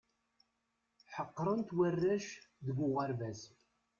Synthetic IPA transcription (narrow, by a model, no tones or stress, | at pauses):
ħəqːɾˤənt̪wərːæʃðəɡʷʊʁəɾvæz